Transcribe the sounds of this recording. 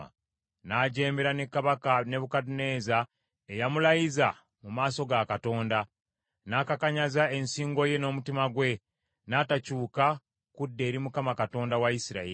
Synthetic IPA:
a̰ | naɟe̞ːmbe̞ɾanekːaβakane̞βukadune̞ːza | ejamulajiza | mumaːso̞ɡakato̞ːnda | naːkakaɲazae̞nsiːŋɡo̞je̞no̞ːmutimaɡwe̞ | natacuːka | kudːe̞ːɾimukamakato̞ːndawaisiɾa̰i

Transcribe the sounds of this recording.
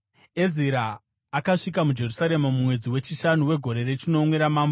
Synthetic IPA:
e̞ziɾaː | kaʂik̬amud͡ʒe̞rusaɾe̞mamumwe̞d͡ziwe̞t͡ʃiʃanuwe̞ɡʱo̞ɾe̞ret͡ʃino̞mwe̞ɾamaːmbo

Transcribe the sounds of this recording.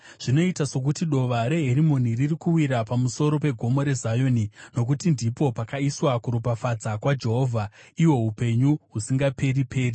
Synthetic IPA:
ʐ̥ino̞itaso̞k̬utiɗo̞ʋaɾe̞ɦeɾimo̞niririkuwiɾapamuso̞ɾo̞pe̞ɡʱo̞mo̞ɾe̞zajonino̞k̬utindipo̞pakaiswakuɾupafad͡zakwad͡ʒe̞ɦo̞ːvʱaiwo̞ɦupe̞ɲuɦusiŋɡape̞ɾipʰe̞ːri

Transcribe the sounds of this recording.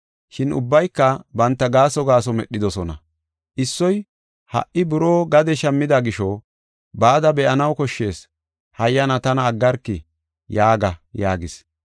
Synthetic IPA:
ʃɪnʊ̰bːɐjkːɐbɐnt̪ːɐɡaːsɔɡaːsɔmɛɗːɪd̪ɔsɔnɐ̰ | ʔɪsːɔj | hɐ̰ʔʔɪbʊɾoːɡɐd̪ɛʃɐmːɪd̪ɐɡɪʃɔ | baːd̪ɐbɛʔɐnɐwkɔʃːe̞ːs | hɐjːɐnɐt̪ɐnɐːɡːɐɾkːɪ | jaːɡɐjaːɡɪs

